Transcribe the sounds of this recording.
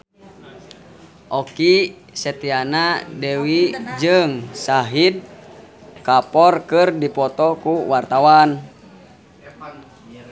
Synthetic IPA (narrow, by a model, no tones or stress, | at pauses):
ʔɔki | sɛt̪ianadɛwid͡ʒɨŋsaɦid̚ | kapɔrkɨrdipɔt̪ɔkuwart̪awan